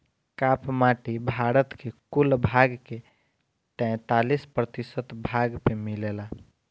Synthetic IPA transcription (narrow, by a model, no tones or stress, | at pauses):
kapmaʈibʱaɾət̪kekulbʱaɡke | t̪ɛ̃ɪ̃t̪alispɾət̪isət̪bʱaɡpemilela